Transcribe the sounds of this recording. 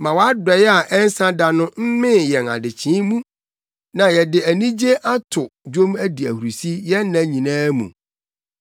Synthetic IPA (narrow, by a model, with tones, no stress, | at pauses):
mã˨wa˦dɛ˨jɛ˦a˨ʔɛ˦n˦sã˦da˨nʊ̃˦m̩˦mɪ̃˦jɛ˨na̰˨dɪ˨t͡ɕʰĩ˨˦mũ˦ | nã˨jɛ˨dɪ˨æ˨nĩ˦d͡ʑe˦ʔa˦tʰʊ˨d͡ʑᶣõ˦mæ˦di˨æ˨hu˨ɾu˨si˦jɛ˦nã˨ɲĩ˨nãː˦mṵ̃˨